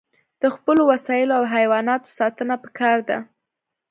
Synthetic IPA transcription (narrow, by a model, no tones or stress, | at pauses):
d̪̥əxpəlowasɑjɪloawɦajwɑnɑt̪o̥sɑt̪ənapə̥kɑɾd̪a̰